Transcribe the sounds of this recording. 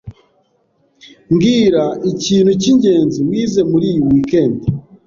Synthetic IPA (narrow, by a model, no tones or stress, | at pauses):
ŋɡiːɾaiciːn̤huciɲɟe̞ːnziwiːze̞muɾijuwikeːnti